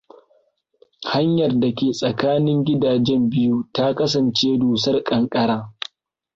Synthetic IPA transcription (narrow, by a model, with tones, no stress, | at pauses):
ha˦ɲjɐ˨rda˨kʲeː˨sʼɐ˨kaː˦nɪ˦ŋɡʲɪ˦daː˨d͡ʒɛ˦mbɪ˦ju˦ta˦kɐ˦s̬ɐ˨nt͡ʃeː˦duː˨sɐ˦rkʼɐ˨ŋkʼɐ˦ɽaː˦